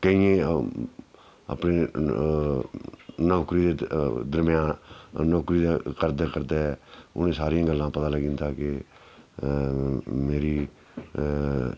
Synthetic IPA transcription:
kəiːẽː | a̰ːpneː | nɔːkɾiːd̪eːd̪əɾmjãːnɔːkɾiːd̪akəɾd̪eːkəɾd̪eɛʊ̰nẽːsaːɾiãːɡəlːãːpət̪aːləɡɪ̃nd̪aːke | meːɾiː

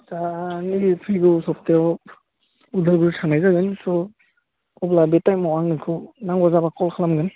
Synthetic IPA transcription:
zanipʰiɡɯsɔp̚teɔ | udʱɯɾɡuɾtʰaŋnajzaɡɯnsɔ | ɔblabetajmɔwaŋnɯkʰɯnaŋɡɔzabakɔlkʰalamɡɯn

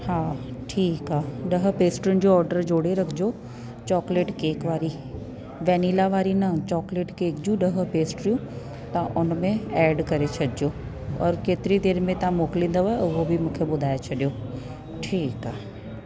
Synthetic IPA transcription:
haːʈʰiːkɦaːɗɐɦə̆peːsʈɾiʊnɪ̆d͡ʑoɔːɾɖəɾd͡ʑoːɽeɾɐkʰɪd͡ʑo | t͡ɕɔːkleːʈkeːkʋaːɾi | ʋɛniːlaʋaːɾinɐt͡ɕɔːkleːʈkeːkd͡ʑjũɗɐɦ̆peːsʈɾijũ | t̪ɐʔʊnmẽɛːɖkɐɾet͡ɕʰɐɗɪd͡ʑo | ɔ̰ːɾkeːt̪ɪɾid̪eːɾmẽt̪ɐãmoːkɪlĩːn̆d̪oʋaːeʊɦobʱimũːkʰeɓʊd̪ʱaːet͡ɕʰɐɗijo | ʈʰiːkaːɦe

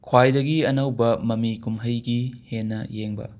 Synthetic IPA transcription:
kʰwajdɐɡiɐnɐwbɐmɐmikumɦɐjɡihenːɐ̰jeŋbɐ̰

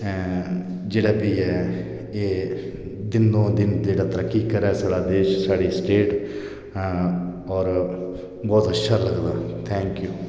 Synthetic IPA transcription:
d͡ʒeːɽaːbiːɛ | eː | d̪ɪnd̪õːd̪ɪnd͡ʒeːɽaːt̪əɾəkːikəɾasaːɽaːd̪eːʃsaːɽisʈeːʈ | ɔːɾ | bɔːt̪ətʃʰəɾləɡd̪aːt̪ʰɛ̃ːŋkjuː

